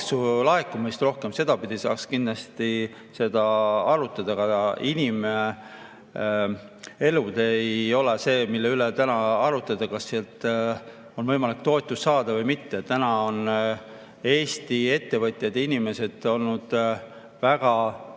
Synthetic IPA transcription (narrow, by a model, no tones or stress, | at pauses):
sulɑɦekːˑumejst̪ro̞hke̞mse̞d̪̥ɑpid̪̥isɑ̰ːkskind̪lɑst̪i | se̞d̪̥ɑɑɾut̪ːˑɑd̪̥ɑɡ̥ɑinime | e̞lud̪eejo̞lese̞ːmilːeylet̪ænɑɑɾut̪ːˑɑd̪̥ɑkɑsːeɑlt̪ˑ | o̞nvɤ̞jmɑlikt̪o̞et̪ːˑusːɑːd̪̥ɑvɤjmit̪ːe̞t̪ːænɑo̞n | e̞ːst̪ie̞t̪ːe̞vɤt̪ʲˑjɑd̪inime̞se̞d̪̥o̞lnud̪̥ | væɡ̥ɑ